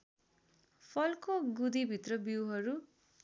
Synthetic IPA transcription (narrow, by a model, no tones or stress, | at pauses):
pʰʌlkoɡud̪ibʱit̪rʌbiwɦʌɾu